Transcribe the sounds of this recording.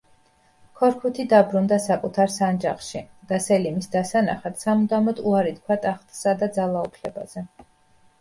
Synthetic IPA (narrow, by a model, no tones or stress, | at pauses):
kʰɔɾkʰut̪ʰid̪abɾund̪asakʼut̪ʰaɾsand͡ʒaχʃid̪̥asɛlimisd̪asana̰χat̪samud̪amɔd̪uaɾit̪̚kʰwat̪ʼaχt̪ʰʼsad̪ad̪zalˠaupʰlɛba̰z̥ɛ